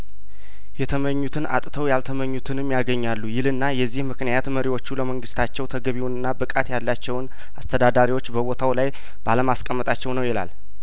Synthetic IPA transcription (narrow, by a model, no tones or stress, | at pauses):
jɛt̪ʰəməɲːut̪ʰɨna̰t̪ʼt̪ʰəwjalt̪ʰəməɲːut̪ʰɨnɨmːjaɡəɲːalːujɪlɨnːajɛzːihmɨknɨjat̪məɾiwo̞t͡ʃːuləməŋɡɨst̪ʰat͡ʃːɛwt̪ʰəɡəβiwnɨnːabɨkʼat̪jalːat͡ʃːɛwn | ast̪ʰəd̪ad̪aɾiwo̞t͡ʃːbəβo̞t̪ʰawlaj | b̥aləmaskʼəmːət̪ʼat͡ʃːɛwnəwjɛla̰l